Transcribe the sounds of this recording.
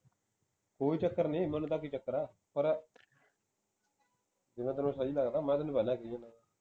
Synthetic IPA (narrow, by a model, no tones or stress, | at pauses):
koːiːt͡ʃəkːəɾnĩːmənt̪aːk̬it͡ʃəkːəɾaː | pəɾ | d͡ʒ̪ɪŋɡãːt̪ənõsad͡ʒiːlaɡd̪aːmɛ̃ːt̪ənũbɛlãːkəjẽnãː